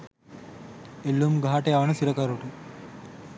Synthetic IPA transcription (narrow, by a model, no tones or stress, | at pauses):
elːumɡʱaːʈeaʋɐnɐsiɾɐkaɾuʈu